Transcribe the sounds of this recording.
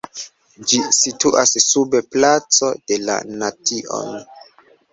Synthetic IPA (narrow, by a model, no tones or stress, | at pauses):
d͡ʒisituʔassubeplat͡so̞de̞la̰natio̞̰n